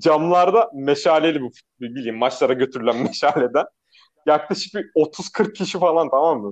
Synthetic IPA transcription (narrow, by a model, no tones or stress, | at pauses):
d͡ʒamlˠaɾd̪ameʃaːlʲelʲibuf | bibilʲijimːat͡ʃlˠaɾaɟø̞t̪ʰyɾylʲænmeʃaːlʲe̞d̪æn | jaklˠaʃɯ̥k̚bio̞t̪ʰuzkʰɯɾk̚cʰːiʃifalˠant̪ʰamamːɯ